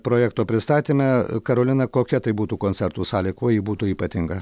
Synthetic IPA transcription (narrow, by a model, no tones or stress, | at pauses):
pɾoːjɛːkt̪oːpʲɾʲɪst̪ɑːt̪ʲiːmʲɛkɐɾoːlʲɪnɐkoːkʲɛt̪ɐɪbuːt̪uːkoːnʲsʲɛɾt̪uːsɑːlʲekuɔjiːbuːt̪uːiːpɐt̪ʲɪŋɡɐ